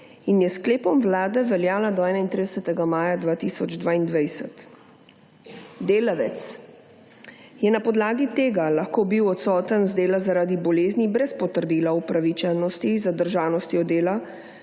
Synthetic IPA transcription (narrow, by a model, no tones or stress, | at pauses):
injɛskleːpɔmʋlaːd̪ɛʋɛljaːlad̪ɔɛːnaint̪ɾid̪ɛsɛt̪ɛɡamaːjad̪ʋaːt̪isɔd͡ʒd̪ʋaːind̪ʋajsɛt̪ | d̪eːlaʋɛt̪s | jɛnapɔd̪laːɡit̪eːɡalaxkoːbiwɔt̪sɔːt̪ənzd̪eːlazaɾaːd̪ibɔleːznibɾɛspɔt̪əɾd̪iːlaupɾaʋit͡ʃɛnɔst̪izad̪əɾʒaːnɔst̪iɔd̪eːla